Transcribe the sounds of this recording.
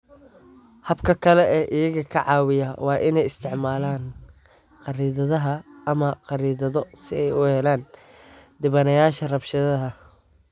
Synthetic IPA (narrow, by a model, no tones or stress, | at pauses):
hɐbkʰɐkʰɐlɛʔɛːʔɪjɐɣɐkʰɐʕɑːwɪjɐwɑːʔɪnɛjɪst̪ʰɪʕmaːlaːn | qɑɾiːðɐðɐɦɐɐmɐqɑɾiːðɐðɔsɪɛjʊhɛlaːn | d̪ɪβɐnɐjaːʃɐrɐbʃɐðɐɦɐ